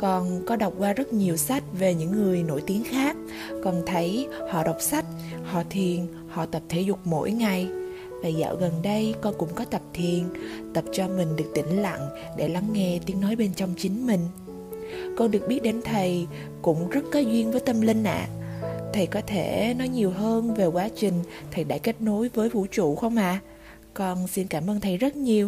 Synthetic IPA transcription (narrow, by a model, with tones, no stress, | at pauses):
kɔ˨˩nkɔ˨˦ɗa˨˩wk͡p̚kwaː˧zə˦˥t̚ɲi˨˩əwsa˦˥jk̟̚ve˨˩ɲɨ̰˧˥ŋːɨ˨˩əjno̰˧˩jt̪i˨˦əŋxaː˦˥k̚ː | ɔ˨˩nt̪ʰə˨˦jhɔ̰˧˨ɗə˨˩wk͡p̚sa˦˥jk̟̚ | hɔ̰˧˨t̪ʰi˨˩ən | hɔ̰˧˨t̪ə˨˩p̚t̪ʰe˧˦zʊ˨˩k͡p̚mo̰˧˥jŋa˨˩j | vaː˨˩za̰ː˧˨wɣə˨˩nɗə˧jkɔ˧nkʊ̰˧˥ŋ͡mkɔ˨˦t̪ə˨˩p̚t̪ʰi˨˩ənt̪ə˨˩p̚t͡ɕɔ˧mï˨˩ŋ̟ɗɨ˨˩ək̚t̪ï˧˩ŋ̟la̰˧˨n | ɗe˧˩la˨˦ŋːɛ˧t̪i˨˦əŋnɔ˨˦jɓe˧nt͡ɕɔ˧wŋ͡mt͡ɕï˨˦ŋ̟mï˨˩ŋ̟ | kɔ˧nɗɨ˨˩ək̚ɓi˦˥t̚ɗe˨˦nt̪ʰə˨˩j | kʊ̰˧˥ŋ͡mzə˦˥t̚kaː˨˦jzwi˧ənvəː˨˦jt̪ə˧mlï˧ŋ̟ʔa̰ː˨t̪ʰə˨˩jkɔ˨˦t̪ʰe˧˩nɔ˨˦jɲi˨˩əwɦəː˧nve˨˩kwaː˨˦t͡ɕï˨˩ŋ̟t̪ʰə˨˩jɗa̰ː˧˥jke˦˥t̚no˨˦jvəː˨˦jvṵ˧˥t͡ɕṵ˧˩˨xə˧wŋ͡mʔa̰ː˧˨ | kɔ˧nsi˧nkaː˧˩mʔəː˧nt̪ʰə˨˩jzə˦˥t̚ɲi˨˩əw